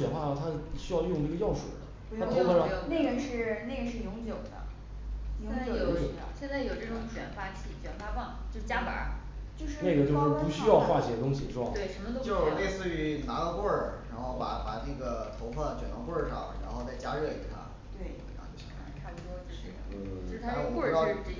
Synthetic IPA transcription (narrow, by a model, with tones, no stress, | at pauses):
ɥɛ˨˩nxwa˥˧˩t̪ʰa˥˩ɕy˥jɑ˥˧ʊjʊ˥˧ŋʈ͡ʂɤ˥˩ɡə˦jɑ˥˩ʊʂṵ˨˩d̪ə˦ | a˥ʊ˥ə˧˥˧ne˥˩ɪɻə˧˥nʂɻ̩˥˩˧ne˥˩ɪɡɻə˧˥nʂɻ̩˥˩jʊ˧˥ŋt͡ɕjo˨˩ʊd̪ə̰˦ | jt͡ɕjo̰˨˩˧ɕjɛ˥˧nt͡sa˥˩ɪjo˨˩ʊʈ͡ʂɤ˥˩ʈ͡ʂʊ˧˥ŋɕɥɛ˨˩nfa˥t͡ɕʰi˥˩t͡ɕɥɛ˨˩nfa˥fɑ˥˩ŋt͡ɕjo˥˧ʊt͡ɕja˥pa̰˨˧˥ | t͡ɕjo˥˧ʊʂɻ̩˥ne˥˩ɡə˩t͡ɕjo˥˧ʂɻ̩˥˩pu˧˥ɕy˥jɑ˥˧ʊxwa˥˩t͡ɕɛ˨˥t̪ʊ˥ŋɕi˨˩ʂwɑ˥˩t̪e˥˩ɪʂə˧˥nmə˧t̪ʊ˥t͡ɕjo˥˧le˥˧ɪsɹ̩˥˧y˧˥na˧˥ɡə˧kwə˥˩ɻa˧˥nxo˥˩pa̰˨˩pa˨˩nɤ˥˩ɡə˩t̪ʰo˧˥ʊfa˥˩nt͡ɕɥɛ˨˩nɔ˧˥kwə˥˧ʂɑ̰˥˩ŋɻa̰˧˥nxo˥˧ʊt͡sa˥˩ɪt͡ɕja˥ɻɤ˥˩ḭ˨˩t̪ʰa̰˥ | t̪we˥˩ɪ̰˧˥˩t͡ɕo̰˥˩˧kʰpu˥˩ʂwɔ˥t͡ɕo˥˧ʂɻ̩˥˩˨ɻ̩ʰ˥˩a˥˧˥kwə˥˩˥ɑ˥˧˥